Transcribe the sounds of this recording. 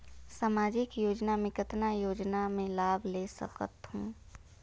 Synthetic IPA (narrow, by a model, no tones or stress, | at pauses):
saːmaːd͡ʒɪkjoːd͡ʒnamẽkət̪najoːd͡ʒnamẽlaːbʱleːsə̰qə̰t̪hũː